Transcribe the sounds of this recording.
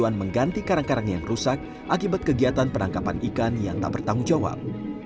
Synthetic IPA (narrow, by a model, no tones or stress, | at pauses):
uanməŋɡant̪ikaɾaŋkaɾaŋjaŋrusak̚ | ʔakibat̪̚kəɡiat̪anpənaŋkapanikanjaŋt̪a̰ʔbərt̪aŋuŋd͡ʒawa̰p̚